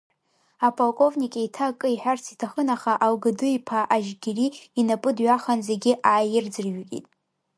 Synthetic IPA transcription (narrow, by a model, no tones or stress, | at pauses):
apʰʼolkʷʼo̞vnikʲʼeitʰakʼɨiħʷᶣart͡sʰitʰaχənaχaʔalɡɨdɨipʰaʔaʒɡʲɪriinapʼɨdɥaχanzeɡʲɪʔaːjɪrd͡zɨrɥkʲʼḭtʼ